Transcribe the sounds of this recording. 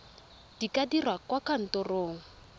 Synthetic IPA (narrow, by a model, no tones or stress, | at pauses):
d̥ikadirwakwakan̩tʊroːŋ̩